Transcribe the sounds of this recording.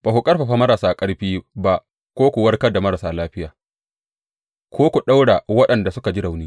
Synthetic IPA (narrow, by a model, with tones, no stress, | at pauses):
b̥a˨hu˨kʼɐ˦rɸa˨ɸa˦mɐ˦ɾa˨saː˦kʼɐ˦ɽɸiː˦ba˦ʔ | kʷoː˦kʷu˨wɐ˦rkɐ˦da˨mɐ˦ɾa˨saː˦laː˦ɸɪ˦jaː˨ | kʷʰoː˦kʷu˨ɗa˦wɽa˨wɐ˦ɗɐ˨nda˨sʊ˦ka˨d͡ʒi˦ɽa˨wniː˦